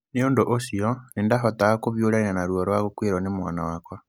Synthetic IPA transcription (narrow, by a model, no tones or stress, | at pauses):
neoːndoʔosiɔnendaɦɔtaakoβjoɾainanaɾuɔɾwaɣokweɾwɔnemwa̰nawakwa